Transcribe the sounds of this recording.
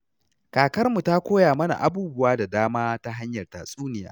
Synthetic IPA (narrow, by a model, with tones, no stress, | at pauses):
kaː˨kɐ˦rmu˨ta˦kʷoː˦jaː˨mɐ˦na̰˨ʔa˨buː˦bʊ˦waː˦da˨daː˦maː˦ta˦ɦa˦ɲjɐ˨rta̰˨sʼuː˦nɪ˨ja̰ː˦